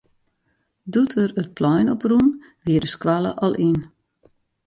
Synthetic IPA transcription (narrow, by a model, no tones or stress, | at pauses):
dutʰərət̚pʰlɔjnɔprun | ʋiəɾəskwalə̰ʔɔlˠʔin